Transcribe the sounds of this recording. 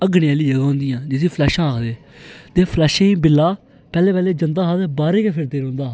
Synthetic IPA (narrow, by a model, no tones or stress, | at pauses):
əɡneaːliːd͡ʒəɡaːɦõːnd̪ijãːd͡ʒɪsĩːpʰlɛːʃãːkʰd̪eː | t̪eːpʰlɛːʃẽĩːbɪlːaː | pɛːleːpɛːleːd͡ʒənd̪aːɦaːd̪baːɾeːkeːpʰɪɾd̪eːɾõːnd̪aː